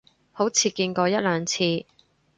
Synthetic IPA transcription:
ho˨˥wt͡sʰiː˧kiː˧nkɔː˧jɐ˥t̚lœː˨˧ŋt͡sʰiː˧

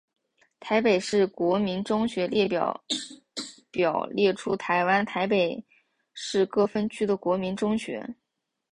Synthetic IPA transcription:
t̪ʰa˧˥ɪpe˨˩ɪʂɻ̩˥˩kwɔ˧˥mi˧˥nʈ͡ʂʊ˥ŋɕɥɛ˧˥ljɛ˥˩pjɑ̰˨˩ | pjɑ˨˩ʊljɛ˥˩ʈ͡ʂʰu˥t̪ʰa˧˥ɪwa˥nt̪ʰa˧˥ɪpe˨˩ɪ | ʂɻ̩˥˧kɤ˥˩fə˥nt͡ɕʰy˥d̪ə˨kwɔ˧˥mi˧˥nʈ͡ʂʊ˥ŋɕɥɛ̰˧˥

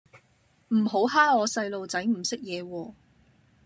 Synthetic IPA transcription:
m̩˨˩ɦo˨˥wɦaː˥ŋɔː˨˧sɐ˧jlo˨wt͡sɐ˨˥jm̩˨˩sɪ˥k̚jɛː˨˧wɔː˧

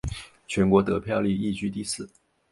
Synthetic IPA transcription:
t͡ɕʰɥɛ˧˥nkwɔ˧˥t̪ɤ˧˥pʰjɑ˥˧ʊli˥˧i˥˧t͡ɕy˥˧t̪i˥˧sɹ̩˥˩

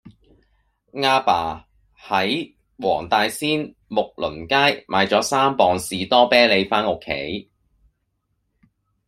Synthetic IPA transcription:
ŋaː˧paː˨˩ | hɐ˨˥j | wɔ̰ː˨˩ŋt̪aː˧jsiː˥n | mʊ˨k̚lɵ˨˩nkaː˥jmʔaː˨˧jt͡sɔː˨˥saː˥mpɔː˨ŋsiː˨t̪ɔː˥pɛː˥le˨˧jfaː˥nʊ˨kʰːḛ˨˥j

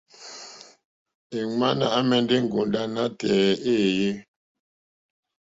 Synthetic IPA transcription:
e˨ŋa˦na˦˨ʔa˦mɛ˨n˦de˦ŋ̩˨ɡu˨nda˦na˦tɛː˨e˦˨je˦

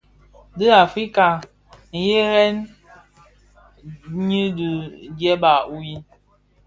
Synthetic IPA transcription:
dɨ˦a˨fi˦ka˨ | n̩˨je˦ɣɛ˦n | ɲi˦di˨d͡ʒɛ˦ba˨u˦ji˦

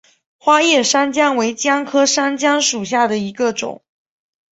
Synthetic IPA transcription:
xwa˥jɛ˥˩ʂa˥nt͡ɕjɑ˥ŋwe˧˥ɪt͡ɕjɑ˥ŋkʰɤ˥ʂa˥nt͡ɕjɑ˥ŋʂu˨˩ɕ̬ja˥˩d̪ə˩i˧˥ɡə˧ʈ͡ʂʊ̰˨˩˦ŋ

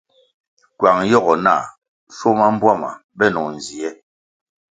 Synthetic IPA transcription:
kwa˨ŋjɔ˦˨ɣɔ˨na˦˨ | so˦ma˦m̩˦bwa˦˨ma̰˨bɛ˦˨nɔ˨n˨zi˨ɛ˦

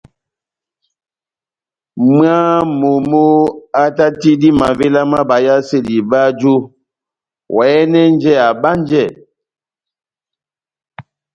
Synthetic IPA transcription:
m˦a˦mo˨mo˦a˦ta˦ti˦di˦ma˨ve˦la˦ma˦ba˨ja˦se˦˨di˨ba˦d͡ʒu˦ | wʔɛ˨˦nɛ˦n˦d͡ʒɛ˦˨a˨ba˦n˦d͡ʒɛ˦˨

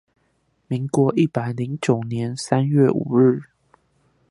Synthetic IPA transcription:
mi˨˥ŋkwɔ˧˦ʔi˥˩pa˨˩ɪli˨˦ŋt͡ɕjo˨˩ʊnjɛ˨˧˦nsa˦nɥɛ˥˩˨ʔṵ˨˩ɻɻ̩˥˨

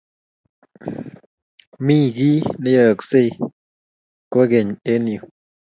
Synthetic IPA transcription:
mi˦˨ɡi˦ne˦ɔ˦˨kse˦ | kwe˦ɡe˨ɲe˦njo˨

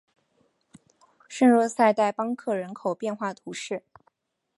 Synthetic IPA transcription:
ʂə˥˧nɻwɔ˥˧sa˥˧ɪt̪a˥˩ɪpɑ˥ŋkʰɤ˥˩ɻə˧˥nkʰo˨˩ʊpjɛ˥˧nxwa˥˩t̪ʰu˧˥ʂɻ̩˥˩

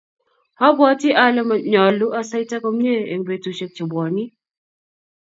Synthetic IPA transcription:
hɔ˦bɔ˦tɪ˦ʔa˦lɛ˦ma˨ɲɔ˨lu˦ʔa˦sa˦jta˦ko˦mɲe˦e˨ŋbe˨tu˨t͡ʃe˦k̚t͡ʃi˨bɔ˨ni˦

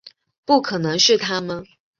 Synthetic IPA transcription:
pu˥˩kʰɤ˨˩nɤ˧˥ŋʂɻ̩˥˩t̪ʰa˥mə˨n

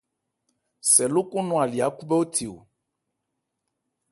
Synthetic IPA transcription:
sɛ˨lo˦ko˦nɔ̃˨a˨li˨a˨ku˦bɛ˦wo˦t̪ʰi˨wo̰˨

